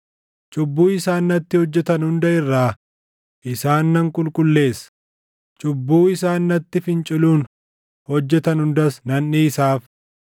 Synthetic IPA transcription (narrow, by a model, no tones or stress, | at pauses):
t͡ʃʼʊbːuːɪsaːnːɐt̪ːɪhɔd͡ʒːɛt̪ɐnhʊnd̪ɐɪrːaː | ʔɪsaːnːɐŋkʼʊlkʼʊlːe̞ːsɐ̥ | t͡ʃʼʊbːuːɪsaːnːɐt̪ːɪfɪnt͡ʃʼɪluːn | hɔd͡ʒːɛt̪ɐnhʊnd̪ɐsnɐnːiːsaːf